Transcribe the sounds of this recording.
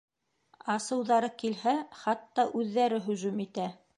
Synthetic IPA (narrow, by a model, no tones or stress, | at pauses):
ɑsɤ̆wðɑɾɤkilhæχɑt̪ːɑʔʉðːæɾɘɦɵ̆ʒʉmit̪æ